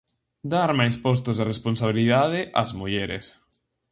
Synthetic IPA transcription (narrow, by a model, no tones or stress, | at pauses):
d̪aɾmajspɔs̬t̪ʊzðeresponsaβ̞iliðað̞ɪʔa̰zmuʎeɾḛs